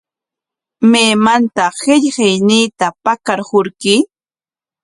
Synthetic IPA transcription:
meːmant̪ɑhɪʎhɪjniːt̪apakaɾhʊɾkɪ

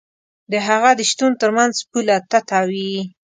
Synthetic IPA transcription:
d̪əɦaɣad̪əʃt̪unt̪əɾmanzpulat̪at̪ɑwi

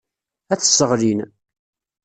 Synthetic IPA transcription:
æθːə̥sːəʁlin

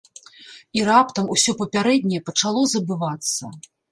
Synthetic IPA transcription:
iɾapt̪ɐmusʲɔpɐpʲaɾɛd̪ʲnʲɛjɛpɐt͡ʂalˠɔzɐbɨvat̪sːɐ

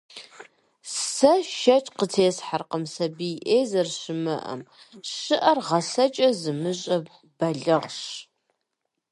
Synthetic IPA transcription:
sɐʃɐt͡ʃʼqətʰeːsħarqəmsɐbijʔeːzɐrʃɨmɐʔɐ̰m | ɕɨʔɐrʁɐsɐt͡ʃʼɐzɨmɨɕʼɐb | b̥ɐɮɐʁɕ

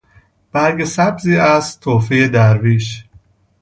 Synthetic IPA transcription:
b̥æɾɡesæbziːæst̪ʰːoːfejed̪æɾviːʃ

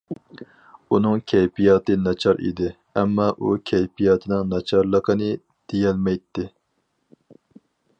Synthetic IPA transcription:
unɨŋkʲʰɛjpijɑːt̪ɨnɑt͡ʃʰɑɾʔḭd̪ɪ | ɛmːɑːʔṵkʲʰɛjpijɑːt̪ʰɨnɨŋnɑt͡ʃʰɑɾlˠəqʰənɨ | d̪̥ejɛlmɛjt̪ʰːɪ

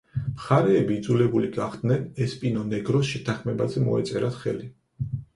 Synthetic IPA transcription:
mχaɾɛːbiːd̪zulɛbuliɡaχd̪nɛnɛspʼinɔnɛɡɾɔsʃɛt̪ʰaχmɛbazɛmɔɛ̰t̪sʼɛɾat̪χɛ̰li

